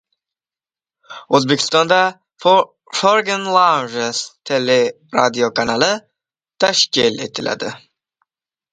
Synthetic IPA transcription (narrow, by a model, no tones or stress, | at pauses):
ozbekʰʲɪ̥st̪ɑnd̪a | f | foɾɡənlˠawnʒest̪ʰele | ɾa̰d̪iokʰanalɪ | t̪ʰaʃkʲɪlet̪ʰɪla̰d̪ɪ